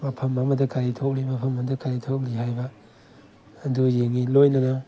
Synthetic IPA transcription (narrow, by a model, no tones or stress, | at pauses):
mɐpʰɐmɐmɐdɐkʰaɾitʰowk̚limɐpʰɐmɐmdɐkʰaɾitʰok̚liɦajbɐ | dujeŋilojnɐnɐ